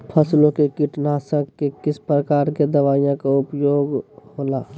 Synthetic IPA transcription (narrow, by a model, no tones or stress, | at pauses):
pʰəslõkekɪʈnaːsə̃kkekɪspɾəkaːɾked̪əʋaːijãkaʊpjoːɡhoːlaː